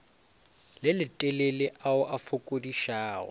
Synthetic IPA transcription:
lɪlɪtʼɛlelɪʔaʊʔafʊkʼodiʃaːɔ̰

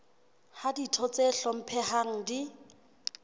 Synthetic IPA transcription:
haditʰɔt͡sɛɬɔm̩pʰɛhaŋ̩di

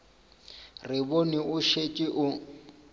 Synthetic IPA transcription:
rɪβoniʊʃet͡ʃʼiʔʊ

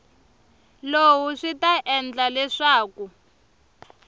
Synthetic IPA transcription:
lowuʂitaʔɛnd͡ɮalɛʂaːku

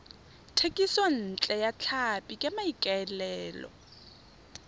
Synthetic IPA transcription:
tʰekʼisɔn̩t͡ɬʼɛjat͡ɬʰapʼikʼamaikʼaɛlɛːlɔ̰

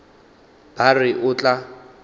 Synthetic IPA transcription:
b̥arɪʔʊt͡ɬʼa

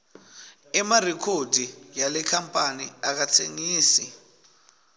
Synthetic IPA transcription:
ɛmarɛkʰodʱijalɛkʰampʼaniak̬at͡sʰḛŋiːsi

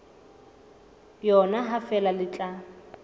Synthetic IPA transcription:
jɔnaɦafɛlalɪt͡ɬʼa

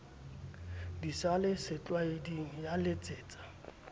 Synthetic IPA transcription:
disalɪsɪt͡ɬʼwaediŋ̩jalet͡sʼeːt͡sʼḁ

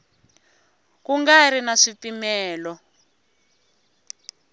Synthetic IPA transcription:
kuŋɡaɾinaʂipimɛːlɔ

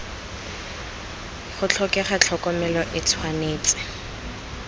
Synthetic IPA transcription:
χʊt͡ɬʰɔkɛχat͡ɬʰɔkɔmɛlɔʔɪt͡sʰwaneːt͡sʼɪ̥

